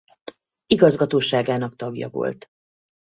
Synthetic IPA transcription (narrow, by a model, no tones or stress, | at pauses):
iɡɒzɡɒt̪oːʃaːɡaːnɒkt̪ɒɡjɒ̰vo̞̰lt̪